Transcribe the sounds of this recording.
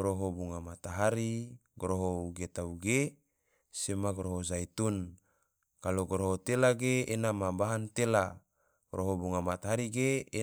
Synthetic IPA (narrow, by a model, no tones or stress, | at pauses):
ɾoɦobuŋamat̪aɦaɾiɡɾoɦouɡet̪auɡe | semaɡɾoɦozait̪un | kaloɡɔɾoɦot̪elaɡeenamabaɦant̪elḁ | ɾʔoɦobuŋamat̪aɦaɾiɡeː